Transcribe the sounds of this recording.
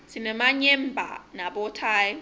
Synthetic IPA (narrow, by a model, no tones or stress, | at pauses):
sʰinɛmaɲɛmbʱa̰naɓɔtʰaːj